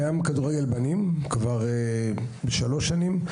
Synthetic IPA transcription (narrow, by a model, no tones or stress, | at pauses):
jamkaduʁeɡe̞lbanimkvaʁe | beʃalo̞ʃanim